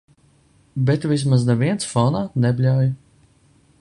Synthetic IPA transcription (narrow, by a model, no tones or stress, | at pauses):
bet̪vis̬maznɛviɛnsfɔnaːnɛbʲlʲawj